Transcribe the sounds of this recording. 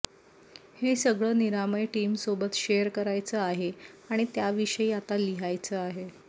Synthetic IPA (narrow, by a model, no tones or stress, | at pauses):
hesəɡɭəːniɾaməjʈiːmsobət̪ɕejəɾkəɾajt͡səaɦeaɽ̃it̪jaʋiʂəiːat̪aliɦajt͡səaɦe